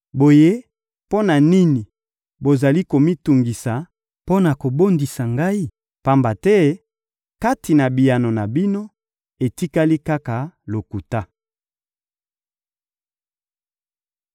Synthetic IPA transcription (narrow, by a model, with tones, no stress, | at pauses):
bo˨je˦ | po˦na˨ni˦ni˨ | bo˨za˨li˦ko˨mi˦tu˨ŋɡi˨sa˨ | po˦na˨ko˨bo˦ndi˨sa˨ŋɡa˦i˦ | pa˦mba˨tɛ˦ | ka˦ti˨na˨bi˨ja˨no˨na˨bi˦no˦ | e˨ti˦ka˦li˦ka˦ka˨lo˨ku˨ta˦